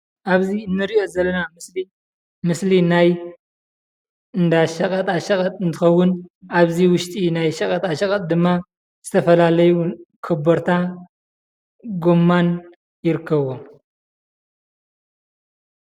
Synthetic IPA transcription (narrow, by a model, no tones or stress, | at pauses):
ʔaβziɨnːɨɾiʔo̞zɐlːɐnamɨsli | mɨslinaj | ɨnd̪aʃɐkʼɐt̪ʼaʃɐkʼɐt̪ʼɨnt̪ʰɨxɐwːʊnʔaβziwʊʃt̪ʼinajʃɐkʼɐt̪ʼaʃɐkʼɐt̪̚ʼd̪ɨmːa | z̥ɨt̪ʰɐfɐlalɐjukʰɨboɾt̪ʰa | ɡomːan | jɪɾɨkʰːɐβom